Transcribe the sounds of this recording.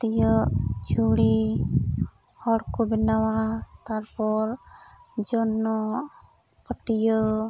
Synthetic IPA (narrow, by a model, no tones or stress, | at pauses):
t̪ijɔd͡ʒuɽi | hɔɽkɔbinawat̪aɾpɔɾ | d͡ʒɔnːɔ | pəʈijɔ